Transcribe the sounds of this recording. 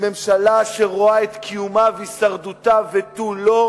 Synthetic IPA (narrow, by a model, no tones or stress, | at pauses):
me̞mʃalaʃeʁoaet̪kʰijumaveisaʁd̪ut̪avet̪ulo